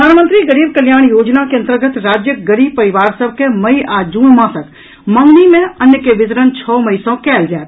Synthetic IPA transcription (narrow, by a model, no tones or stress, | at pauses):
pɾəd̪ʱaːnmə̃nt̪ɾiɡəɾiːb̚kəljaːɳ̃joːd͡ʒnakeɐ̃nt̪əɾɡət̪ɾaːd͡ʒjəɡəɾiːbpəɾɪʋaːɾsəbʱkeməiaːd͡ʒuːnmãːsək | mə̃ŋɡnimẽənjəkeʋɪt̪ɾənt͡ʃʰɔːməɪsõkɛːld͡ʒaːt̪